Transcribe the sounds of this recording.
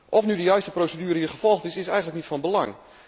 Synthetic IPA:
ʔɔfnydəjœɥstəprowsədyːɾəɦiːɹχəv̥ɔlˠχtɪsɪsɛjɣənləknitfɑnbəlɑ̰ŋ

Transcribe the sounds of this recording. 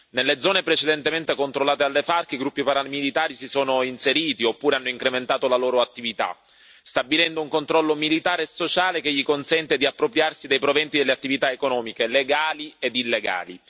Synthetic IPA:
nelːed̪zɔːnepɾet͡ʃed̪ent̪ement̪ekont̪ɾolːaːt̪ealːefarkeiɡɾupːipaɾalmilit̪aːɾisisoːnoinseɾiːt̪iopːuːɾeanːoiŋkɾement̪aːt̪olaloːɾoat̪ːivit̪a̰ | st̪abilɛnd̪ouŋkont̪ɾɔlːomilit̪aːɾeːsot͡ʃaːlekeʎːikonsɛnt̪ed̪iapːɾopɾjarsid̪ejpɾovɛnt̪id̪elːeat̪ːivit̪aekonɔːmikeleɡaːlied̪ilːeɡa̰ːlḭ

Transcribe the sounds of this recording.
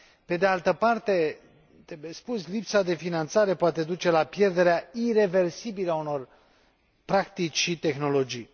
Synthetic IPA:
pe̞d̪ealt̪əpart̪e̞ | t̪ebespuslipsad̪e̞finant̪saɾe̞poat̪e̞d̪ut͡ʃe̞lapje̞rd̪e̞ɾeaire̞ve̞rsibiləauno̞r | pɾakt̪it͡ʃʲʃit̪e̞xno̞lo̞d͡ʒij

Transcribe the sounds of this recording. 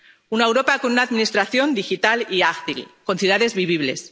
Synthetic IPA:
unaewɾo̞pako̞nunaðminist̪ɾaθjo̞nd̪ixit̪aliakθilko̞nθjuðaðe̞zβiβ̞iβ̞le̞̰s

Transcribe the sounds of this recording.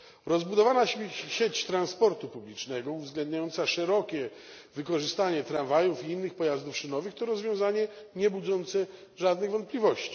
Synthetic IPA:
ɾɔzbud̪ɔvanaɕet͡ɕt̪ɾanspɔɾt̪upublʲit͡ʂnɛɡɔuvzɡlɛnd̪ɲajɔnt̪saʂɛɾɔkʲɛ | vɘkɔʐɘst̪aɲɛt̪ɾanvajufiinːɘxpɔjazd̪ufʂɘnɔvɘxt̪ɔɾɔzvjɔ̃w̃zaɲɛɲɛbud̪zɔnt̪sɛ | ʐad̪nɘɣvɔnt̪̚pʲlʲivɔɕt͡ɕi̥

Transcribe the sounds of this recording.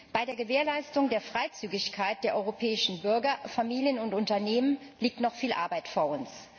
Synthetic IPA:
b̥aɪdeːɐɡəveːɐlaɪstʊŋdeːɐfʁ̥aɪt͡syːɡɪçkʰaɪt̚d̥eːɐʔɔʏʁopʰɛːɪʃn̩bʏɐɡɐfamiːljənʊntʊntɐneːmənliːk̚tnɔχfiːlʔa̰ɐbaɪtfoːɐʊns

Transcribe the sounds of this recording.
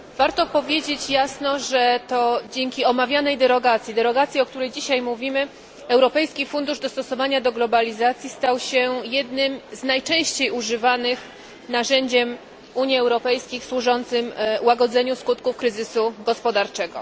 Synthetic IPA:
v̥aɾt̪ɔpɔvʲjed͡ʑet͡ɕjasnɔʐɛt̪ɔd͡ʑeŋkʲiɔmavʲjanɛjd̪ɛɾɔɡat̪sʲjid̪ɛɾɔɡat̪sʲjiɔkt̪uɾɛjd͡ʑiɕajmuvʲimɘ | ɛwɾɔpɛjskʲifund̪uʐd̪ɔst̪ɔsɔvaɲad̪ɔɡlɔbalʲizat̪sʲjist̪awɕɛjɛd̪nɘmznajt͡ʂɛ̃w̃ɕt͡ɕejuʐɘvanɘx | naʐɛɲd͡ʑɛm | uɲiɛwɾɔpɛjskʲixswuʐɔnt̪sɘmwaɡɔd̪zɛɲuskut̪kufkɾɘzɘsuɡɔspɔd̪aɾt͡ʂɛɡɔ̰

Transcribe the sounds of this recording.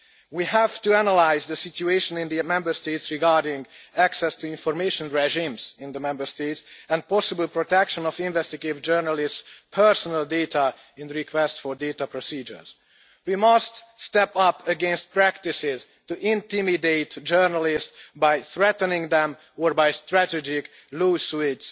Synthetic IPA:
wiːɦæv̥tuænəlaɪzd̪əsɪtueɪʃə̃nɪ̃nd̪imɛ̃mbəɹst̪eɪtsɹɪɡɑɹdɪ̃ŋɡæksɛstuɪ̃nfɔɹmeɪʃə̃nɹɛʒĩmzɪ̃nd̪əmɛ̃mbəɹst̪eɪtsɛ̃nd̪̚pɔsɪbəlˠpɹot̪ɛkʃə̃nɔfɪ̃ɱvɛst̪ɪɡtɪvd͡ʒɜɹnəlɪstspʰɛɹsɔnəldetʰa | ɪ̃nɾikʰwɛstfɔɹdeɪt̪apɹosiːd͡ʒə̰˞z | wimʌststɛpʌpʰəɡɛ̃nst̪̚pɹækt̪ɪsɪz | tuʔɪ̃nt̪ɪmideɪtd͡ʒɜɹnəlɪstbajθɹɛt̪nɪ̃ŋd̪ɛ̃m | ɔɹbajst̪ɾætɛd͡ʒɪk | luːsuɪts

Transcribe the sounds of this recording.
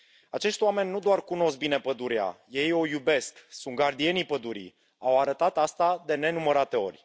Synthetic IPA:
at͡ʃe̞ʃt̪ʲoame̞nʲːud̪oarkuno̞sk̚bine̞pəd̪uɾia̰je̞jo̞jube̞sksunt̪̚ɡard̪ie̞nipəd̪uɾḭ | awaɾət̪at̪ast̪ad̪e̞ne̞numəɾat̪e̞o̞̰rʲ

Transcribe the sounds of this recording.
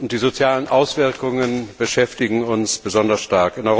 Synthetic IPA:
ʊnt̚d̥iːzot͡sjaːlənʔaʊsv̥ɪɐkʊŋənb̥əʃɛftɪɡŋ̩ʊnsb̥əzɔndɐsʃtaɐkɪnʔɔʏʁ

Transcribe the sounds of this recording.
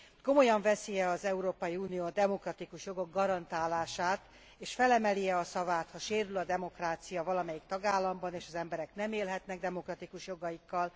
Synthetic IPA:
ko̞mo̞jɒɱvɛsijɛɒzɛuɾoːpɒjiuːnijoːd̪ɛmo̞krɒt̪ikuʃjo̞ɡo̞ɡːɒɾɒnt̪aːlaːʃaːt̪ | eːʃfɛlɛmɛlijɛɒsɒvaːt̪hɒʃeːɾylɒd̪ɛmo̞kraːt̪sijɒvɒlɒmɛjikt̪ɒɡaːlːɒmbɒneːʃɒzɛmbɛɾɛknɛmeːlɦɛt̪nɛɡ̚d̪ɛmo̞krɒt̪ikuʃjo̞ɡɒjikːɒl

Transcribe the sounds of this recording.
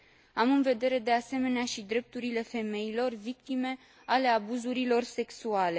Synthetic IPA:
amɨnve̞d̪e̞ɾe̞d̪e̞ase̞me̞neaʃid̪ɾe̞p̚t̪uɾile̞fe̞me̞ilo̞rvik̚t̪ime̞ | ale̞abuzuɾilo̞rse̞ksuale̞

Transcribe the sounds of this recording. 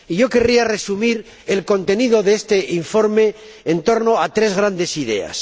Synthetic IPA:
iʝo̞ke̞riare̞sumiɾ | elko̞nt̪e̞niðo̞ðeest̪e̞ʔiɱfo̞ɾme̞ː | nt̪o̞ɾno̞at̪ɾe̞zɣɾand̪esiðe̞̰a̰s

